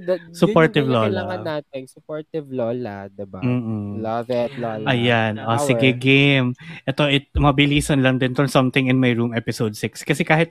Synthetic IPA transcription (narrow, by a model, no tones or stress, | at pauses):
sʊpoɹt̪ɪvloːlɐɐɐnaːt̪̚ɪnsʊpoɹt̪ɪvloːlad̪ɪbam̩ːlvɛt̪lɐjanʔosɪɡɛɡemʔɛt̪o̞ʔɪt̪̚mɐbɪliːsɐnlɐŋd̪ɪnt̪onsɐmt̪ɪ̃ŋɪ̃nmɐjɹumɛpɪsowd̪̚sɪkskɐsɛkaːhɪt̪̚